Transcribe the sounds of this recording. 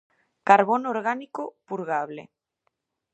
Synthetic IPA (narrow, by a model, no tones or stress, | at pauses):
kaɾβonoɾɣanikopuɾɣaβlḛ